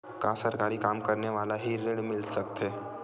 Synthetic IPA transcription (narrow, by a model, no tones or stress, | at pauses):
kãːsɐɾkaːɾikaːmkɐɾneʋaːlaɦiɾeːɽmɪlsɐkt̪ɦɛː